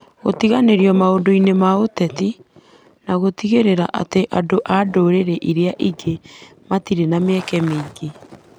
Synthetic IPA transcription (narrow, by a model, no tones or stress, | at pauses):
ɣo̰tiɣaneɾjɔmaondoinemaotɛti | naɣotiɣeɾeɾaʔa̰teʔadoʔadoɾeɾɛʔiɾeaʔiɡe | matiɾenameɛkɛmeːɡe